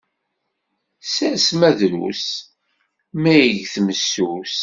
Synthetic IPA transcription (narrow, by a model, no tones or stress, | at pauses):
sæsmæðɾṵs | mæjəʝθməsːus